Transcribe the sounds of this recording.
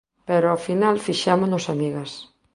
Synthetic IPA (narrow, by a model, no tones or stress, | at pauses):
pɛɾoafinalfiʃamʊnosamiɣɐs